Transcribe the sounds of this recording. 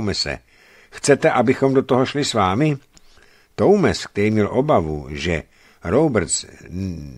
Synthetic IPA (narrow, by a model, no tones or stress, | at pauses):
mɛsɛ̰ | xt͡sɛt̪ɛʔabɪxo̞mdo̞t̪oɦo̞ʃlɪsvaːmɪ | t̪o̞wmɛsk̚t̪ɛɾiːmɲɛlʔobavṵʒɛ̰ | ɾowbɛɾt͡s